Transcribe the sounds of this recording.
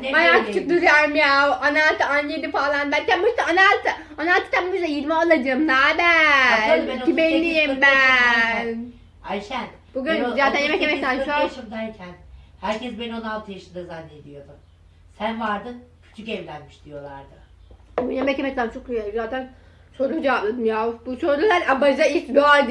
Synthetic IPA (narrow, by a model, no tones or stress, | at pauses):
bajaːk̪t͡ʃʰuk̚d̪uɾjaɾmjaʔanalt̪ɯanːed̪ifalˠanbælʲcænbuʃt̪aanat̪ʰɯ | anaːlt̪ɯt̪ʰammuʃd̪ajiɾmɛolˠad͡ʒɯːmnaːbæ | bɛnʰibɛnːijimbæn | ajʃæn | b̥uɡynzaːt̪ʰænjemɛkːemɛkt̪ænt͡ʃʰoʃɯmd̪æɾcʰænhæɾcʰɛsbenonalˠt̪ʰɯjaʃɯnd̪azanːed̪ijo̞d̪um | sænvaɾd̪ɯncʰy̥t͡ʃʰycɛvlʲænmiʃd̪ijo̞lˠaɾd̪ɯ | jemɛcemɛct̪ænt͡ʃʰo̞kɾijaizaːt̪ʰæn | so̞ɾud͡ʒɛvablˠad̪ɯmjabusoɾulˠaɾabad͡ʒait͡ʃbuad̪